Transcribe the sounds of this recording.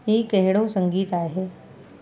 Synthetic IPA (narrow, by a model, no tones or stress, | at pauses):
eːkɛɦɪɽosə̃ŋɡiːt̪aːeɦɛː